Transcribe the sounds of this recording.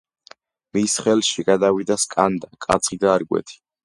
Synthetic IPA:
misχɛlʃiɡad̪avid̪askʼand̪akʼa̰t̪sʰχid̪aːɾɡwɛ̰t̪ʰi̥

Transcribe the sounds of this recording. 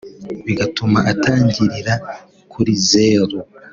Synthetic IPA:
βiɡatumaʔataːɲɟiɾiɾa | kʰuɾizeːɾo

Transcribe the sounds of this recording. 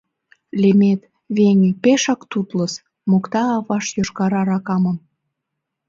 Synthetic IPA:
lʲemet̪ | βeŋʲepeʃɑkt̪ut̪ləs | mokt̪ɑːβɑʃjoʃkɑɾɑɾɑkɑməm

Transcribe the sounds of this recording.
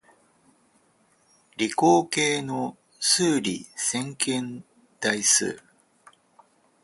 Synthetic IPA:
ɾʲiko̞ːke̞ːno̞ | sɨːɾʲisẽ̞ŋkẽ̞n | d̪̥aisɨ̰ː

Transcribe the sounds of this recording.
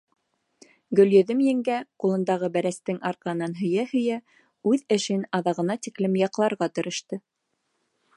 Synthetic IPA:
ɡɵ̆ljɵ̆ðɘmjɘ̆ŋɡæqulˠɤ̆nd̪ɑʁɤbæɾæst̪ɘŋɑɾqɑɦɤ̆nɑnɦɵ̆jæhɵ̆jæ | ʉðɘ̆ʃɘnɑðɑʁɤ̆nɑt̪iklɘmjɑqlˠɑɾʁɑt̪ɤ̆ɾʔɤ̆ʃt̪ɤ

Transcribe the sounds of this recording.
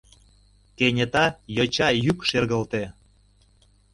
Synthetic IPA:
kenʲet̪ɑjɤt͡ɕɑjykʃerɣə̆lt̪e

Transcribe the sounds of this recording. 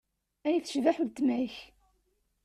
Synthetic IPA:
æjiθə̥ʃvaħult̪mæjç

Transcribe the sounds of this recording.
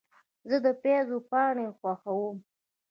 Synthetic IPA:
zəd̪əpezopɑɳexwaxawum

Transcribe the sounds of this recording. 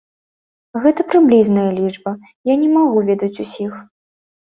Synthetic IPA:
ɣɛt̪ɐpɾɨblʲiznɐjɐlʲid͡ʐbɐ | janʲɛmaɣuvʲɛd̪ɐt͡sʲusʲix

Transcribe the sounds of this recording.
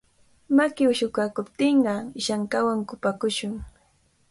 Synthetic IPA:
makɪʊʃʊkakʊpt̪ɪɴɢɑʃaŋkawaŋkʊpakʊʃʊŋ

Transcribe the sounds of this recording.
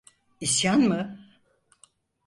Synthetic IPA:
isjanmɯ

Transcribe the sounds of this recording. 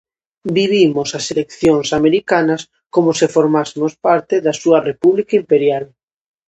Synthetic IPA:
biβ̞imosaselekθjoŋsameɾikanas | komosefoɾmasemospaɾt̪eðasuɐrepuβlikaimpeɾjal

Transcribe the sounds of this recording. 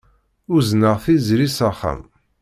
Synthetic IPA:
ʊznəʁθizɾisaχæ̰m

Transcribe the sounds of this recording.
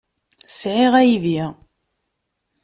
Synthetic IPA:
sʕɪʁæjði

